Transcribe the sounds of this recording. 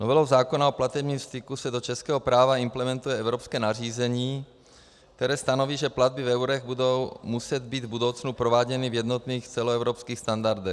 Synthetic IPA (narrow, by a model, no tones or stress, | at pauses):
novɛlowzaːkonaoplat̪ɛbɲiːmst̪ɪkusɛdot͡ʃɛskɛːɦopɾaːvaɪmplɛmɛnt̪ujɛɛvɾopskɛːnar̝iːzɛɲiː | kt̪ɛɾɛːst̪anoviːʒɛplad̪̚bɪvɛwɾɛɣbudowmusɛd̪biːd̪vbudo̞wt͡snupɾovaːɟɛnivjɛd̪not̪niːxt͡sɛloɛvɾopskiːxst̪andaɾd̪ɛx